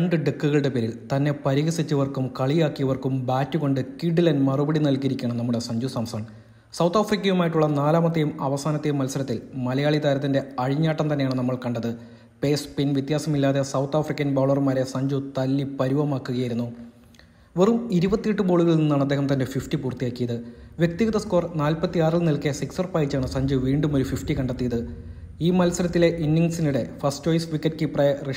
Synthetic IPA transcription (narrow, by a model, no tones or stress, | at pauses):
ɐɳɖɨɖekːuɣɐɭɨɽe̞peːɾilt̪ɐnːe̞pɐɾiɣɐsit͡ɕːɐʋɐrkumkɐɭijaːkːijɐʋɐrkumbaːtːuko̞ɳɖɨkiɖɨlɐnmɐrubɐɽinɐlkːiɾikʲːɐɳɐmnɐmːuɽe̞sɐɲd͡ʑusɐːmst̪ɐːɳɐ | sɐwt̪ʰːaːfrikʲːɐjumaːjiʈːuɭːɐnaːlaːmɐt̪̬ːejumɐʋɐsaːnɐt̪ːejumːɐlsɐɾɐt̪ːilmɐlɐjaːɭit̪aːɾɐt̪ːinde̞ɐɻiɲːaːʈːɐmt̪ɐnːejaːɳɨnɐmːɐɭkɐɳɖɐðɨ | peːspinʋjɐt̪jaːsɐmilːaːðe̞sɐwt̪ʰːaːfrikʲːɐnbaːɭɐrmaːɾe̞sɐɲd͡ʑut̪ɐlːipɐɾuʋɐmaːkːuɣɐjiɾunːu | ʋerumiɾubɐt̪ːijeʈːɨbo̞ːɭuɣɐɭninːaːɳɐd̪ːeːɦɐmt̪ɐnde̞fifʈipuːrt̪ːijaːkːijɐðɨʋjek̚t̪iɣɐðɐsko̞ːrnaːlpɐt̪ːiaːrilnilkːesiksɐrpaːjit͡ɕːaːɳɨsɐɲd͡ʑuʋiːɳɖumo̞ɾufifʈikɐɳɖɐt̪ːijɐðɨ | iːmɐlsɐɾɐt̪ːile̞ʔinːiŋɡsinuɽe̞fɐsʈt͡ɕo̞ːjsʋikːɐʈ̚kiprɐjere